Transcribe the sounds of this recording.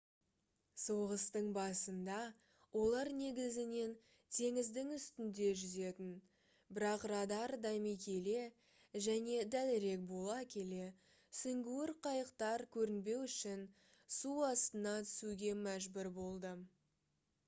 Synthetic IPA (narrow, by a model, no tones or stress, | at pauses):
so̞ʁəst̪əɴbɑsənd̪ɑ | wʔo̞lˠɑɾne̞ɡʲɪzɪne̞n | t̪ʰe̞ŋɪzd̪ɪŋʏst̪ɪnd̪e̞ʒʏze̞t̪ɪn | bɪɾɑqrɑd̪ɑɾd̪ɑjmijkʲʰe̞le̞ | ʒæne̞d̪ælɪɾe̞k̚bo̞lˠɑkʲʰe̞le̞ | sʏŋɡʲuwɪɾqʰɑjəqt̪ɑɾkʲʰɵɾɪnbe̞wʏʃɪn | suɑst̪ənɑt̪ʰʏ̥suɡʲe̞mæʒbʏɾbo̞lˠd̪ə